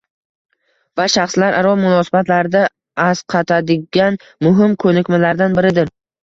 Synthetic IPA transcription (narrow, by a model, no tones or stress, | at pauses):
vaʃɑχslaɾʔaɾɒmʊnɒsɪbat̪ʰlaɾd̪a | azqʰɑt̪ʰad̪ɪɡʲan | mʊɦɪmkʰɵnɪkʲmalaɾd̪anbɪɾɪd̪ɪɾ